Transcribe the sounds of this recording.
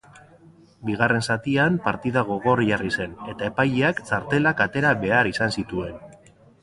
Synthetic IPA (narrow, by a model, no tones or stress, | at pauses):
biɣ̞are̞nsat̪iampaɾt̪ið̞aɣ̞o̞ɣ̞o̞ɾʝarise̞ne̞t̪ae̞pajeakt͡saɾt̪e̞lakat̪e̞ɾaβe̞aɾisansit̪ue̞n